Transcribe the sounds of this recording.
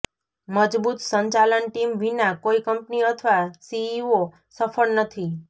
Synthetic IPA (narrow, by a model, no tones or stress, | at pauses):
məd͡ʒbut̪səɲt͡ʃalənʈimʋinakoikəmpniət̪ʰʋasiːo | səfəɭnət̪ʰi